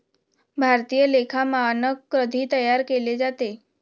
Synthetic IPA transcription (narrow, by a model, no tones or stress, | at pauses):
bʱaɾt̪ijəlekʰamãnəkːɾəd̪ʱit̪əjaɾkeled͡ʒat̪e